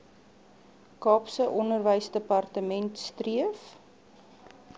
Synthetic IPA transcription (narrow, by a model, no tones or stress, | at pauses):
kɑːpsəʔɔnərvəjsdəpɐrtəmɛntstriəf